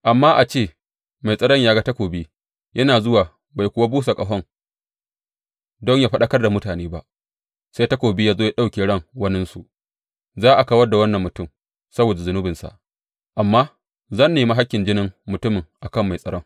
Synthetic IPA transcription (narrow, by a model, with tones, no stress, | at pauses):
ʔa˨mːaː˦ʔa˨t͡ʃeː˦˨ | ma˨jsʼɐ˦ɽɔ˦ɲjaː˦ɡa˦ta˦kʷoː˨bi˦ | jʔɐ˦naː˨zʊ˦waː˨ | ba˨jkʷʊ˦wa˦buː˦sa˨kʼɐ˨ɦɔ˦ŋ | dɔ˦ɲjaː˦ɸɐ˦ɗɐ˦kɐ˦rda˨mʊ˦taː˨neː˦ba˦ʔ | sa˦ta˦kʷoː˨bɪ˦jaː˦zoː˦ja˦ɗa˦wkʲeː˨ɽɐ˦˨ŋwɐ˦nɪ˦nsu˨ | zaː˦ʔa˨ka˦wɐ˦rda˨wɐ˦nːɐ˨mːʊ˨tʊ˦˨m | sɐ˦boː˨da˨zʊ˨nʊ˦bɪ˨nsa̰˨ʔ | ʔa˨mːaː˦ | zɐ˦nːeː˨ma˦ɦa˦kʲːɪ˨nd͡ʒɪ˦nɪ˦ŋmʊ˨tʊ˦mɪ˨ŋʔa˨kɐ˦˨mːa˨jsʼɐ˦ɽɔ˦ŋ